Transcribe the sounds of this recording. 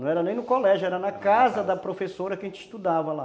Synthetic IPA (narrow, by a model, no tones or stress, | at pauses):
ɐ̃w̃ɛɾɐnẽj̃nʊkolɛʒʊɛɾɐnɐkazɐd̪ɐpɾofesoɾɐkɪʒẽnt͡ʃi̥ʃst̪ud̪avɐla